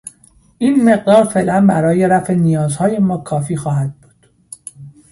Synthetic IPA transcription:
ʔiːnme̞ɢ̚d̪ɒːɾfe̞ːʔlænbæɾɒːje̞ɾæfenijɒːzhɒːje̞mɒːkʰɒːfiːxɒːɦæd̪̥̚buːd̪̥

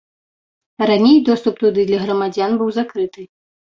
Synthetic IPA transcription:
ɾanʲejd̪ɔst̪up̚t̪ud̪ɨd̪lʲɐɣɾɐmad͡zʲanbɨwzakɾɨt̪ɨ

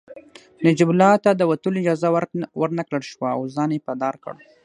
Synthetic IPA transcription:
nad͡ʒibʊlɑt̪ad̪əwat̪əlɪd͡ʒɑzawwəɾnakləɽʃwaawzɑnjepad̪ɑɾkə̰ɽ

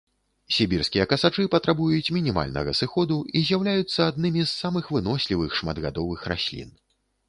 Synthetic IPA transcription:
sʲibʲirskʲijɐkɐsat͡ʂɨpɐt̪ɾabujut͡sʲmʲinʲima̰lʲnɐ̰ɣɐ̰sɨxɔd̪uizʲjawlʲajut̪sːɐad̪̚nɨmʲizːamɨxvɨnɔsʲlʲivɨxʂmad̪ɣa̰d̪ɔvɨxra̰sʲlʲḭn

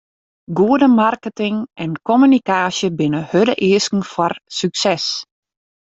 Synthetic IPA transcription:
ɡuədəmarkətɪŋʔɛnkɔmynikaːsjəbɪnəhødəʔɪəskŋ̩fɔrsyksɛs

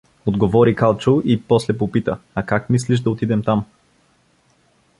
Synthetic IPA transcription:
od̪ɡovɔɾikalˠt͡ʃoʔipɔslɛpopit̪əɐkakmisliʒd̪ɐot̪id̪ɛmt̪am

